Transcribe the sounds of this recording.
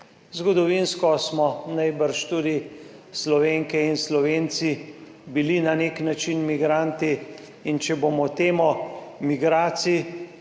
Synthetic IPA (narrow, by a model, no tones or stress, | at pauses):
zɡɔd̪ɔʋinskɔsmɔnajbəɾʃt̪uːd̪islɔʋeːŋkɛinslɔʋeːnt̪si | bilinaneknat͡ʃinmiɡɾant̪iː | nt͡ʃɛbomɔt̪eːmɔmiɡɾaːt̪si